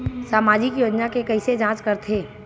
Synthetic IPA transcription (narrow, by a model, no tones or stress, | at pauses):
saːmaːd͡ʒɪkjoːd͡ʒnakekɐised͡ʒãːt͡ʃkɐɾt̪ʰeː